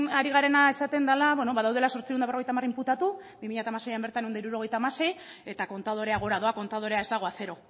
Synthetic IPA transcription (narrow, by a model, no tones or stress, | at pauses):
aɾiɣaɾe̞nae̞sat̪e̞nd̪alaβwenoβaðawð̞e̞laso̞ɾt͡sieund̪aβro̞ejt̪amarimput̪at̪ubimiʎat̪amase̞jambe̞ɾt̪anend̪eiɾuɾo̞ɣ̞e̞jt̪aːmase̞je̞t̪ako̞nt̪að̞o̞ɾe̞aɣ̞o̞ɾaðo̞ako̞nt̪aðo̞ɾe̞aezd̪aɣ̞o̞aθe̞ɾo̞